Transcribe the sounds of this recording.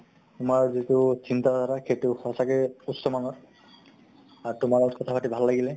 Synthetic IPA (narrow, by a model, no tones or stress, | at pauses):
t̪ʊmaɹzit̪ut͡ɕint̪azaɾakʰetuxɔsakeutsɔmanɔs | aɹt̪ʊmaɹɔkɔt̪ʰapʰaʈibʱallaɡile